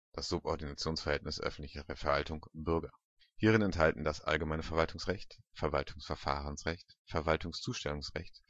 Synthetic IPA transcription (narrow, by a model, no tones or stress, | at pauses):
d̥asz̥ʊpʔɔɐdinat͡sjoːnsfɛɐhɛltnɪsʔœ̰fn̩tlɪçəʁɛfɛɐvaltʊŋb̥ʏɐɡɐ | hiːʁ̞ɪnɛnthaltn̩dasʔa̰lɡəmaɪnəfɛɐvaltʰʊŋsʁɛçtfɛɐvaltʰʊŋsfɛɐfa̰ːʁənsʁɛçtfɛɐvaltʊŋst͡suːʃtɛlʊŋsʁɛ̰çt